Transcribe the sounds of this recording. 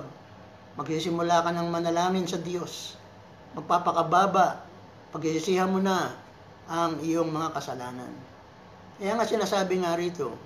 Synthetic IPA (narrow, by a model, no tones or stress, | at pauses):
ɡ̚ | mɐɡsisɪmʊlaːkɐnɐŋmɐnɐlaːmɪnsɐd̪jo̞s | mɐɡ̚paːpɐkɐbaːbaʔ | pɐɡsisɪsiːhɐnmʊna | ʔɐŋɪjo̞ŋmɐŋakɐsɐlaːnɐ̰n | kɐjaŋasɪnaːsaːbɪŋaɾiːt̪o̞